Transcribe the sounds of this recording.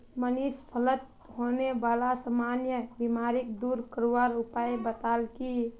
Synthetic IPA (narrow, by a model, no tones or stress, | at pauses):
mənispʰələt̪̚ | ɦoneʋaːlasamanjəbimaɾɪk̚d̪uːɾkəɾuʋaɾʊpaːjbət̪aːlki